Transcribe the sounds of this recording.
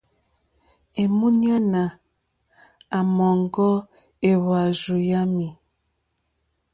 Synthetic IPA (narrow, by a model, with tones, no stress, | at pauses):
e˨mu˦ɲ˦a˦na˨ | a˨mɔ˨ŋɡɔ˦ | e˨wa˨zu˨ja˦mi˨